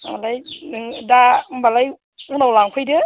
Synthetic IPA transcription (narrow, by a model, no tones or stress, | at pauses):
malajdabalaj | unawlaŋkʰɯjdɯ